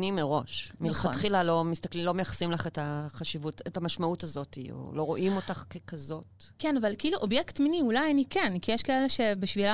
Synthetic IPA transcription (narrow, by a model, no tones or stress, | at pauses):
nimeʁo̞ʃmilχatχilalo̞mist̪aklimlo̞mejaχḁsimlaχetaχaʃivutetamaʃmautazo̞tḭo̰lo̞ʁo̞ʔimo̞taχkekazo̞tkenavalkeiːluʔobjektminiulajanikenkijeʃkaeleʃe̞biʃvila